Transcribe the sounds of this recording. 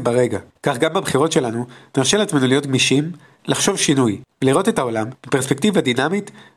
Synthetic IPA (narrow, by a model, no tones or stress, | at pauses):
baʁe̞ɡakaχɡambabχiʁo̞tʃe̞lanuneʁʃelat͡smenulijo̞tɡmiʃim | laχʃo̞vʃinujveliʁo̞t̪e̞tao̞lamːipe̞ʁspektivadinamit